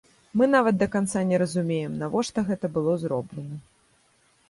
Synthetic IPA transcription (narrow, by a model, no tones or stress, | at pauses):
mɨnavɐt̪̚d̪ɐkant̪sanʲɛɾɐzumʲejɛmnavɔʂt̪ɔɣɛt̪ɐbɨlˠɔzɾɔblʲɛnɐ